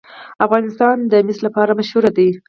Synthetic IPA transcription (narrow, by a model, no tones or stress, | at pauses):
afɣɑnɪst̪ɑnd̪əmɪslapɑɾamaʃhuɾad̪i